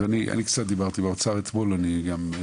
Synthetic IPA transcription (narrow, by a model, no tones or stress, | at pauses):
aniʔa̰nikt͡sat̪̚d̪ibaʁt̪ibeʁt͡saʁet̪bolaniɡam